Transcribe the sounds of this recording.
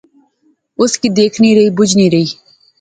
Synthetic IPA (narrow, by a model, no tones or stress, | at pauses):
ʊskiːd̪eːkʰniːɾəiːbʊd͡ʒʱniːɾəiː